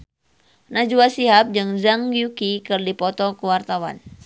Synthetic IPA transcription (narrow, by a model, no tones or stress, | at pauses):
nad͡ʒuasiɦap̚d͡ʒɨŋzaŋɡjukikɨrdipɔt̪ɔkuwart̪awa̰n